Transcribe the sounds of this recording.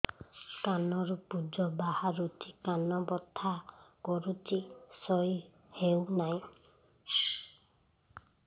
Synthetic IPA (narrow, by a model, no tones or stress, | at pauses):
kanɔɾupud͡ʒɔbahaɾut͡ʃikanɔbɔt̪ʰːakɔɾut͡ʃisɔj | hewnaj̃